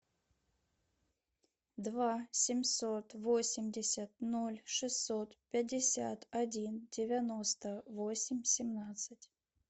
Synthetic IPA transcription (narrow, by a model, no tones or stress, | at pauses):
d̪vasʲɪmsot̪vosʲɪmʲdʲɪsʲat̪̚nolʲʂɨsːot̪pʲɛdʲɪsʲa̰t̪adʲindʲɪvʲanost̪əvosʲɪmʲsʲɪmnat̪sɨtʲ